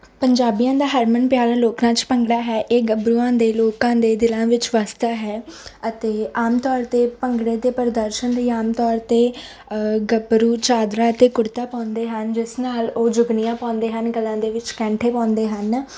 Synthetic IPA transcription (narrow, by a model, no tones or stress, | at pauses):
pəɲd͡ʒaːbijãːd̪aːɦəɾmənpjaːɾaːloːknãːt͡ʃpəŋɡɽaːɦɛːʔeːɡəbɾuːãːd̪eːloːkãːd̪eːd̪ɪlãːʋɪt͡ʃʋaːst̪aɦɛːət̪eːaːmt̪ɔːɾt̪eːpəŋɡɽeːt̪eːpəɾd̪əɾʃənd̪eːaːmt̪ɔːɾt̪eː | ɡəbɾuːt͡ʃaːd̪ɾaːət̪eːkʊɽt̪aːpãːnd̪eːɦənd͡ʒɪsnaːloːd͡ʒʊɡnijãːpãːnd̪eːɦənɡəlãːd̪eːʋɪt͡ʃkɛ̃ːɳʈʰeːpãːnd̪eːɦən